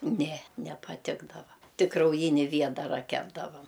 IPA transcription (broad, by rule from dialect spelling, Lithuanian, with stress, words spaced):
nʲɛ nʲɛpɐˈtʲɪɡdɐʋɐ ˈtʲɪk krɐʊˈjɪnʲɪ ˈʋʲiɛdɐrɐ ˈkʲæːbdɐʋɐm